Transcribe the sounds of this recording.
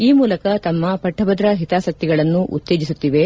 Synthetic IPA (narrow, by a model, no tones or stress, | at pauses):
iːmuːlɐkɐt̪ɐmːɐpɐʈʰːɐbɐd̪ɾɐɦit̪aːsɐk̚t̪iɡɐɭɐnːuʔṵt̪ːe̞ːd͡ʒisut̪ːiʋe̞